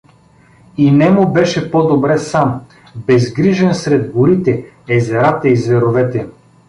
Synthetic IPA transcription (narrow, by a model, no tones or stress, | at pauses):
inɛmʊbɛʃɛpɔd̪obɾɛsam | bɛzɡɾiʒɛnsɾɛd̪bʊɾit̪ɛ | ɛzɛɾat̪ɐizvɛɾovɛt̪ɛ